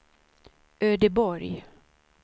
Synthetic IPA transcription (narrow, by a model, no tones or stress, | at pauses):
ʔøːd̪əbɔɾj